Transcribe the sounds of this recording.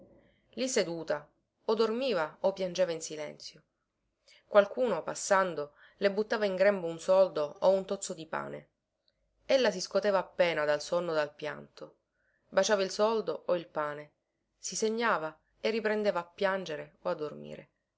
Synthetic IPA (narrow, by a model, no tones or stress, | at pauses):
lised̪uːt̪a | od̪ormiːvaopːjand͡ʒeːvainsilɛ̰nt̪sjo | kwalkuːnopasːand̪o | lebut̪ːaːvaiŋɡɾɛmbounsɔld̪oːunt̪ot̪sːod̪ipa̰ːnḛ | elːas̬iskot̪ɛːvaːpːɛːnad̪alsonːod̪alpja̰nt̪o | bat͡ʃaːvailsɔld̪oʔoilpaːne | siseɲːaːva | erːipɾend̪eːvaːpːjand͡ʒeɾeoad̪ːormḭːɾḛ